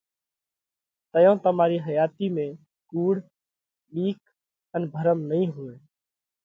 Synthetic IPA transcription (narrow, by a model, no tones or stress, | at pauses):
t̪əjõːt̪əmaːɾiːɦəjaːt̪iːmẽː | kuːɽ | ɗiːk | ənbʱəɾəmnəɦĩːɦuːeː